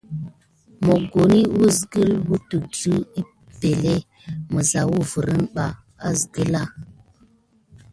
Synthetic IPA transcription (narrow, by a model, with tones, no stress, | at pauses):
mo˨ɡo˨ni˦wu˦zɡə˦lwu˦tu˨d͡zu˦i˦ | be˨le˦ | mə˨za˨wu˦və˨ɾə˦nɓa˦ | a˦zɡə˦la˦